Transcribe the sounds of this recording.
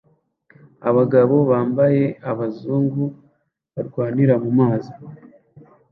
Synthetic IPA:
a̰βaɡaβo̞βaːmbaje̞aβazuːŋɡu | βaɾɡwaːniɾamumaːzi

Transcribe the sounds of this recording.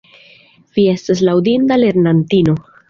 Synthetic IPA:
vie̞stas̬lawdintale̞ɾnantino̞

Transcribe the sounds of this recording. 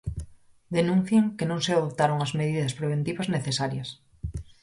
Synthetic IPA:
d̪enũn̟θjeŋkenõŋseaðop̚t̪aɾoŋɐzmeðiðɐspɾeβ̞ent̪iβɐzneθesaɾjɐs

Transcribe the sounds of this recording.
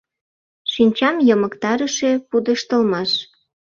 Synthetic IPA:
ʃinʲt͡ɕɑmjəməkt̪ɑɾəʃepud̪əʃt̪əlmɑʃ

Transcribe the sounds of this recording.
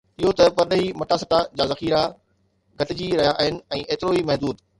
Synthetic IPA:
ɪɦot̪ɐpɐɗɦimɐʈaːsət̪ad͡ʑaːzɐxiːɾa | ɡʱɐʈɪd͡ʑiɾɐɦijaʔɦɪnɪ̆ɛ̃ːʔeːt̪ɪɾoimɐɦd̪uːd̪

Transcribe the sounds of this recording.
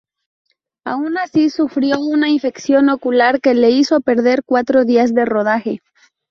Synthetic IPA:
a̰unasisufɾjo̞unaiɱfe̞ksjo̞no̞kulaɾke̞le̞isope̞ɾðe̞ɾkwat̪ɾo̞ðiazðe̞ro̞ð̞axe̞

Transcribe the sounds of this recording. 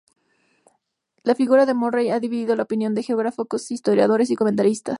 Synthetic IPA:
lafiɣuɾaðe̞morejaðiβiðiðo̞laopinjo̞nd̪exeoɣɾafokosist̪o̞ɾjað̞o̞ɾe̞s̬iko̞ment̪aɾist̪as

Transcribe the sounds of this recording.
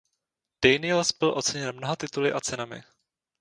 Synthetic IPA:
d̥ɛjnɪlsbɪlʔo̞t͡sɛɲɛnmnoɦat̪ɪt̪ulɪʔat͡sɛnamɪ̰

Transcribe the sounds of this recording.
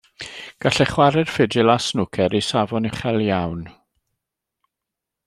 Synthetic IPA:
ɡ̥aɬɛχwaɾɛr̥fɪdɪlasnʊkʰɛɾisavɔnəχɛlˠjawn

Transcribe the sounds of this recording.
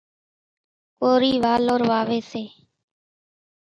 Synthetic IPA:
koːɾiːʋaːloːɾʋaːʋeːseː

